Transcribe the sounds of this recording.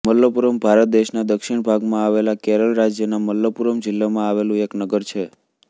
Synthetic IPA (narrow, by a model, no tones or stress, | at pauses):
məlːəpuɾəmbʱaɾət̪̚d̪eʃnad̪əkʃiɳbʱaɡmãaʋelakeɾəlɾad͡ʒjənaməlːəpuɾəmd͡ʒɪlːamãaʋelũeknəɡəɾt͡ʃʰe